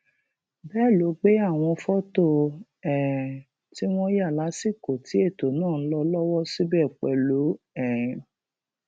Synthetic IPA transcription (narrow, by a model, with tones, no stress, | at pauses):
bɛː˦˨lo˨˦ɡ͡be˦a˦˨w̃ɔ̃˧fɔ˦to˦˨ | ɛ̃˨ | ti˦w̃ɔ̃˦ja˦˨la˨˦si˦˨ko˨ti˨˦e˦˨to˨nãː˦˨ñ̩˦lɔ˧lɔ˦wɔ˦si˦bɛ˦˨k͡pɛ˧lu˨˦ | ɛ̃˦˨ĩ˨